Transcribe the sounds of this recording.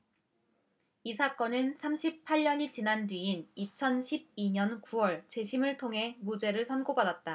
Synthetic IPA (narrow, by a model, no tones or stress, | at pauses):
isʰak͈ʌnɯnsʰamɕʰipʰaʎɲʌɲit͡ɕinandɥiinit͡ɕʰʌnɕʰib̚iɲʌnkuwʌɭt͡ɕe̞ɕʰimɯɭtʰoŋɦe̞mud͡ʑe̞ɾɯɭsʰʌnɡobadat̚t͈a